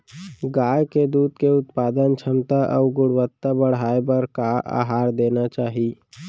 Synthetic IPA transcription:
ɡaːjked̪uːd̪̚keʊt̪paːd̪ənt͡ʃʰəmt̪aʔɔːɾɡʊɽwət̪ːabəɽ̤aːebəɾkaa̰ːɦaːɾd̪eːnat͡ʃaːɦi

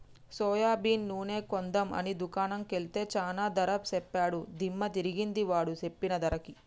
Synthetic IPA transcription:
sɔːjaːbiːnːuːne̞ːkond̪ɐmɐ̰nid̪ukaːnɐmkelt̪e̞ːt͡ʃaːnaːd̪ɐɾɐpsɛpːaːɽud̪ʱimːɐt̪iɾiɡind̪iʋaːɽut͡ʃe̞pːinɐd̪ɐɾɐki

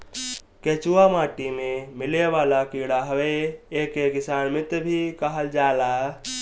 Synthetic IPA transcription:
ket͡ʃuamaːʈimẽmɪleʋaːlakiɽaɦəʋeːkekɪsaːnmɪt̪bʱikəɦəld͡ʒaːla

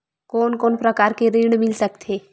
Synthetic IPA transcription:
koːnkoːnpɾəkaːɾkeɾiɽmɪlsəkt̪ʰe

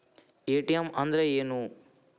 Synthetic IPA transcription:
eːʈijɐmɐnd̪ɾɐeːnu

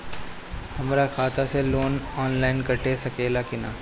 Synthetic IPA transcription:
hɐmɾakʰaːt̪ʰaseloːnɔːnlaːɪnkɐʈesɐkeːlakɪna̰ː

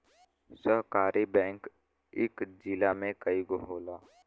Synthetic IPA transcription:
səɦkaːɾʔibɛ̃ːŋk | ɪkd͡ʒɪlamẽkəiɡoɦoːlaː

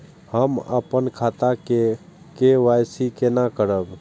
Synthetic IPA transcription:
həmə̰pənkʰat̪ake | keʋajsikenakəɾəb

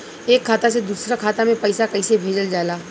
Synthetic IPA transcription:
eːkʰːaːt̪ased̪uːsɾakʰaːt̪amẽpɐɪsakɐisebʱeːd͡ʒəld͡ʒaːlaː

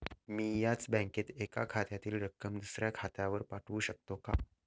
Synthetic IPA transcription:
miːjat͡sbɛ̃ŋket̪ekakʰat̪jat̪iːlɾəkːəmd̪usɾjakʰat̪jaʋəɾpaʈʰʋuːɕək̚t̪oka̰

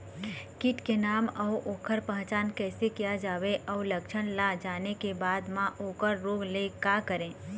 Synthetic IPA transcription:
kɪʈkenaːmɔːʔoːkʰəɾpə̃ɦə̃t͡ʃaːnkɛːsekijad͡ʒaːweʔɔːləkʃʰəɽ̃lad͡ʒaːnekebaːd̪mãʔoːkəɾːoːɡlekaːkəɾẽː

